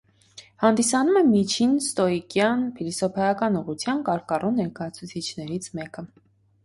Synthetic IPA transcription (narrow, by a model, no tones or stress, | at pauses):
hɑnd̪isɑnumɛmit͡ʃʰinst̪ɔikjɑnpʰilisɔpʰɑjɑkɑnuʁut͡sʰjɑnkɑɾkɑrunnːɛɾkɑjɑt͡sʰut͡sʰit͡ʃʰnɛɾit͡sʰmɛkə